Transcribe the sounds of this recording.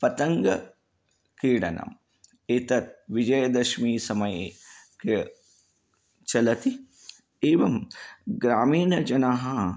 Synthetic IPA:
pɐt̪ɐŋɡɐ | kiːɽɐ̰nʔɐ̰m | et̪ɐt̪̚ʋid͡ʒɐjɐd̪ɐʃmiːsɐmɐjeːke | t͡ʃɐlɐt̪i | eːʋɐmɡɾaːmiːnɐd͡ʒɐnɐɦɐ

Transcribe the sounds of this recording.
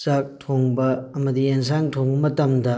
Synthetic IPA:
t͡ʃak̚tʰoŋbɐɐmɐdiens̬aŋtʰoŋbɐmɐtɐmdɐ

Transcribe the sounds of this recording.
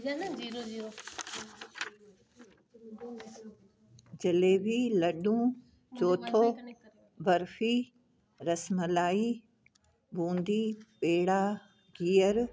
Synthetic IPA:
iɾoiːɾo | d͡ʑɐleːbʱilɐɗũː | t͡ɕoːt̪ʰoː | bɐɾfiː | ɾɐsməlaːiː | bʱũːnd̪ʱiːpeːɽaː | ɡiːəɾ

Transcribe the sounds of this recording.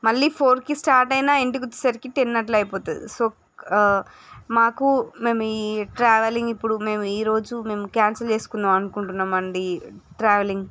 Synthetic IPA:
mɐɭːiːpʰo̞ːɾkisʈaːɾʈɐjnaːeɳʈikɔt͡ʃːi̥sɐɾikit̪inːɐʈ̬lɐjpɔːt̪und̪ḭso̞ː | maːkume̞ːmuiːʈɾaːʋeliŋɡipːuɽume̞ːmuiːɾo̞ːd͡ʒume̞ːmukaːnsɐlt͡ʃe̞ːsu̥kund̪aːmɐnukuɳʈunːaːmɐɳɖiʈɾaːʋeliŋɡ

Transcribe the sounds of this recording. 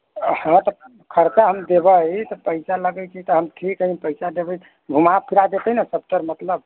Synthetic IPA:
hə̃t̪ɔ | kʰəɾt͡ʃaɦəmd̪ebət̪ɔpəɪsaləɡət͡ʃʰit̪ɔɦəmʈʰikipəɪsad̪ebə | bʱumapʰiɾad̪et̪əɦnasəp̚ʈəɾmət̪ləb̚

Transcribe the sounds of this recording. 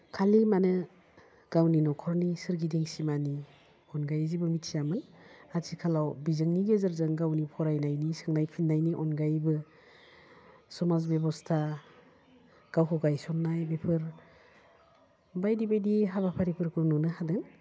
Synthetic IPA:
kʰalimanɯ | ɡ̥awninɔkʰɔɾnisɯɾɡidiŋsimani | ɔnɡajzibɯmitsijamɯnazʰikʰalawbizɯŋniɡezɯɾzɯŋɡawnipʰɔɾajnajnisɯŋnajpʰinːajniʔɔnɡajbɯ | sɔmazbjebɔstʰa | ɡ̥awɦɔɡajsɔnːajbepʰɯɾ | bajdibajdiɦaβapʰaɾipʰɯɾkʰɯnunɯhadɯŋ

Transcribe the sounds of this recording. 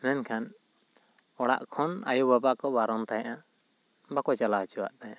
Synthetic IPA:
nɛnkʰan | ɔɽa̰ʔkʰɔna̰jubabakɔbaɾɔnt̪ajaʔa | bakɔt͡ʃalat͡ʃuwa̰ʔt̪aja

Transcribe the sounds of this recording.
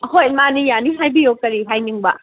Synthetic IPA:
hojmanijaniɦajbijokːɐɾiɦajniŋba

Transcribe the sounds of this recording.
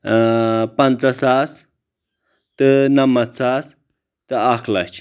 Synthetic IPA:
pɐnt͡sasas | t̪ɨnamat̪t͡sas | t̪ɨakʰla̰t͡ʃʰ

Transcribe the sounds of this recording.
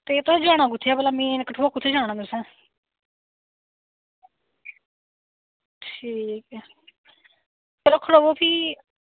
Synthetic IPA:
t̪eːt̪osd͡ʒaːɽ̃ãːɡʊt̪ʰːjaːbəlaːmĩːnkəʈʰboːkʊt̪ʰːeːd͡ʒaːɽ̃ãːd̪ʊsɛ̃ː | ʈʰiːkɛ | t̪əɾəkʰːɽoʋoːpʰiː

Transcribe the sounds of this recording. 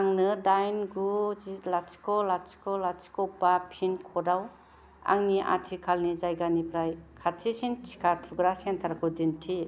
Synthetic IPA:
aŋnɯdajnɡuzilat͡ʃi̥kɔlat͡ʃi̥kɔlat͡ʃi̥kɔwpapʰinkʰɔdaw | a̰ŋniʔa̰tʰikʰalnizajɡanipʰɾajkʰatʰisint͡ʃʰi̥kʰaɾtʰuɡɾasentʰaɾkʰudintʰi

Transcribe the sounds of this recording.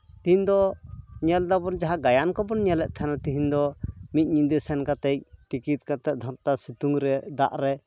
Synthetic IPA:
t̪iɦind̪ɔɲɛld̪abɔnd͡ʒaɦaɡajankɔbɔnɲɛlɛʔt̪ʰanat̪iɦind̪ɔmic̪̚ɲind̪ɛsɛnkat̪ɛc̚ʈikit̪̚kat̪ɛʔ̚d̪ʱɔɾt̪asit̪uŋɾɛd̪a̰ʔɾɛ

